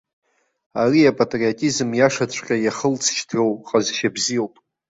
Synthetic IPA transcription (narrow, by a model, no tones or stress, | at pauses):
ariapʼatʼriatʼizɨmjaʂat͡st͡ɕʷʰʼqʲʼajaχəlt͡sʰʃtʰowqʼazʃabzijowpʼ